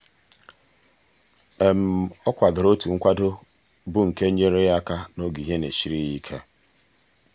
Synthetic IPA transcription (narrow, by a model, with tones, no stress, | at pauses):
e˨m̩˨ɔ˦kʷa˨dʊ˨ɾo˦tu˨ŋ̩˦kʷa˦do˦ | bʊ˦ŋ̩˨ke˦ɲ̩˦ɲe˦ɾe˦ja˦ka˦no˦ɡi˨ɦe˦nḛ˨ʃi˦ɾi˦ji˦kʰe˦